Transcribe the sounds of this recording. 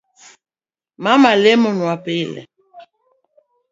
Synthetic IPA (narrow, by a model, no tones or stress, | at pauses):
mamalɛmɔnwapelɛ̰